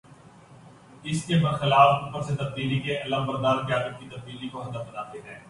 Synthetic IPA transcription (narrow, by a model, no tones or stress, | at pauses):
ɪskebɐɾxɪlaːfuːpəɾset̪ɐb̚d̪iːlikeɐləmbɐɾd̪aːɾkjaːd̪ət̪̚kit̪ɐb̚d̪iːlikoɦɐd̪əfənaːt̪eɦɛː